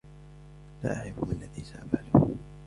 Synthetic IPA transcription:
laːʔaʕɾɪfmɪlːaðiːsaʔafʕalu

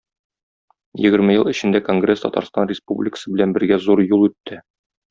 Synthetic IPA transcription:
jɘ̆ɡɘ̆ɾmɘjɤlˠɘ̆ɕɘ̆nd̪æko̞ŋɡrʲest̪ɒ̰t̪ɑ̰ɾst̪ɑnrʲɪspublʲɪkə̥sɤbɘlænbɘ̆ɾɡæzuɾjulˠʉt̪ːɘ

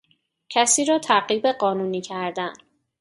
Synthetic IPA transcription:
cʰæsiːɾɒːt̪ʰæɢiːbeɢɒːnuːniːcʰæɾd̪æn

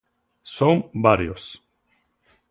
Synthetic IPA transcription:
sombaɾjos

